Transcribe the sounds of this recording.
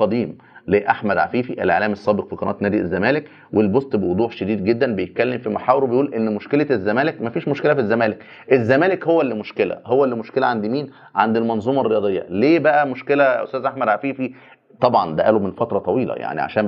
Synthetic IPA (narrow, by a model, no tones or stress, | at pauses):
qɑd̪iːm | leːʔaħmæd̪ʕa̰fiːfiʔḛlʔḛʕlæːmesːɑːbeqfiqɑnɑ̰ːt̪næːd̪iʔezːæmæːlek | welbosˤt̪ˤbewod̪ˤuːħʃæd̪iːd̪ɡed̪ːænbejet̪̚kælːemfimaħaːweɾwebejʔuːlʔenːmoʃkelæzːæmæːlekmæfiːʃmoʃkelæfizːæmæːlek | ʔezːæmæːlekhowːælːimoʃkelæ̰howːælːimoʃkelæʕand̪imiːn | ʕand̪ilmɑnzˤuːmɑrːejɑːd̪ˤejːɑ̰leːbæʔæmoʃkelæʔo̰st̪æːzʔaħmæd̪ʕafiːfi | t̪ˤɑbʕɑnd̪æʔæːlomenfɑt̪ɾˤɑt̪ˤɑwiːlɑ̰ja̰ʕnḭʕa̰ʃæːn